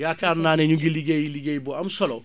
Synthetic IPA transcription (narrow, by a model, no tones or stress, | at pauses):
jakaɾnanɛɲũɡiliɡejiliɡejibɔamusɔlɔ